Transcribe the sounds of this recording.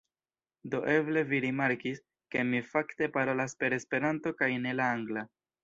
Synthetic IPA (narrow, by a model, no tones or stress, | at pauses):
do̞ʔe̞ble̞viɾimaɾkis | ke̞mifakte̞paɾo̞laspe̞ɾe̞spe̞ɾanto̞kajne̞laaŋɡla